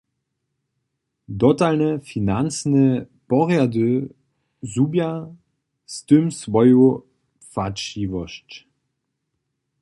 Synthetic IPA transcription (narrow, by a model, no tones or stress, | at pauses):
dɔtalnəfinant͡snə | pɔʁjadø | zuːbja | st̪ømsvɔjo | faʃivɔʃt